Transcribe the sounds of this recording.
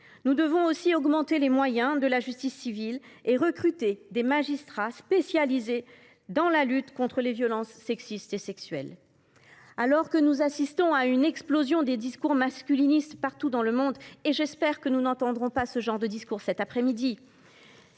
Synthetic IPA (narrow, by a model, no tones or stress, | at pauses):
nud̪əvɔ̃osiɔɡmɑ̃t̪elemwajɛ̃d̪əlaʒyst̪isːivileʁəkχyt̪ed̪emaʒist̪χaspesjalize | d̪ɑ̃lalyt̪kɔ̃t̪χəlevjɔlɑ̃sːɛksist̪esɛksɥɛ̰l | alɔʁkənuzasist̪ɔ̃aynɛksplozjɔ̃d̪ed̪iskuʁmaskʲylinist̪paʁt̪ud̪ɑ̃ləmɔ̃d̪eʒɛspɛʁkənunɑ̃t̪ɑ̃d̪ʁɔ̃pasəʒɑ̃ʁd̪əd̪iskuʁsɛt̪apχɛmid̪i